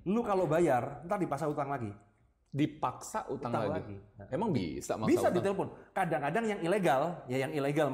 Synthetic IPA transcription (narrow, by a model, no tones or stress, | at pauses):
lukalobajarnt̪ardipaksaut̪aŋlaɡi | dipaksaʔut̪aŋalalɡimemaŋbḭsa̰mabisadit̪elefʊnkadaŋkadaŋjaŋileɡaljajaŋileɡal